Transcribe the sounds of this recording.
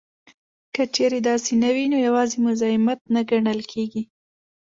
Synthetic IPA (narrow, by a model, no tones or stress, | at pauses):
kət͡ʃeɾed̪ɑsenawinojawɑzemʊzɑɪmat̪̚naɡaɳəlkʰeɡi